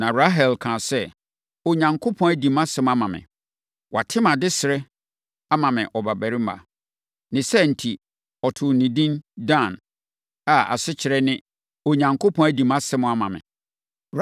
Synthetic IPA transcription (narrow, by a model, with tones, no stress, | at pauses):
nã˨ɾa˦ɦɛ˨lkʰãː˨sɛ˦ | o˨ɲã˨ŋkʰo˦pʰɔ̃˦æ˦dĩ˨mã˦sɪ˦ma˦mã˨mɪ̰̃˨ | wʔa̰˨tʰɪ˦mã˨dɪ˦sɪ˨ɾɛ˦ | a˦mã˨mɪ̃˨ʔɔ˨ba˨bæ˨ɾi˦ma̰˨ | nɪ̃˨sɛ˦n̩˨tʰi˨ | ɔ˨tʰʊ˨nĩ˨dĩ˦ndã˦˨n | a˨a̰˨sɪ˦t͡ɕʰɪ˨ɾɛ˦nɪ̃˦ | o˨ɲã˨ŋkʰo˦pʰɔ̃˦æ˦di˨mã˦sɪ˦mʊ̃˦a˦mã̰˨mɪ̰̃˨